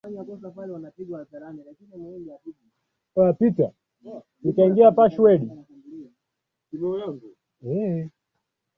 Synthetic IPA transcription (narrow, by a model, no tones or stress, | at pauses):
faɲakɔsapalɛwanapiɡwaaɗaɾanilakinianawɛŋɡiahiɗi | apita | nikaiŋɡiapaʃuwɛɗi | inɔjaŋɡu | ɛ